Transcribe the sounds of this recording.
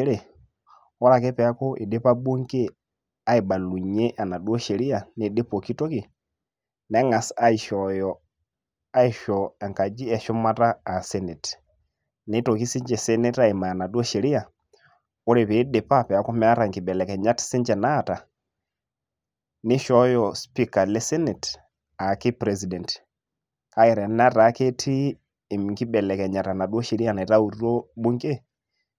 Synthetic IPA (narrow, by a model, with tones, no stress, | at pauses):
ɾe˨ | ɔ˦ɾa˨kɛ˦pɛ˨a˦kɔ˦ʔe˨de˦pa˦bu˦ŋke˦ | a˦i˨ɓa˨lu˨ɲɛ˦ʔa˨na˨dwɔ˦ʃɛ˨ɾi˦a˨ne˨de˦pɔ˨ki˦to˦ki˨ | nɛ˨˦ŋa˨sa˦i˨ʃɔjɔ˨ | a˦i˨ʃɔɛ˨ŋka˨d͡ʒi˦ɛ˨ʃɔ˦ma˦taː˦˨sɛ˦nɛ˨tɛ̥ | nɛ˨˦to˨ki˦si˦ɲd͡ʒɛ˨sɛ˦nɛ˦ta˦˨i˨ma˨a˨na˨dɔ˦ʃɛ˨ɾi˦a˨ | o˦ɾe˨βe˨˦ɗe˨pa˦pɛ˨a˨kɔ˦mɛ˦a˦ɾa˨ŋki˨ɓɛ˨lɛ˨kɛ˨ɲa˦ti̥˦si˦ɲd͡ʒɛ˨na˦˨ta˨ | nɪ˦ʃɔ˦jɔ˨spi˦ka˨le˦sɛ˦nɛ˨t | a˨ki˦pɾɛ˨zi˨dɛ˨nt | ka˦ɛ˨ɾɛ˨n˦a˦ta˨˦ke˦tʰi˦˨ | mŋki˦bɛ˨lɛ˨kɛ˨ɲa˨ta˨na˨dwɔ˦ʃɛ˨ɾi˦a˦˨nɛ˨ta˦u˨ɾɔ˦ɓu˦ŋɡe˦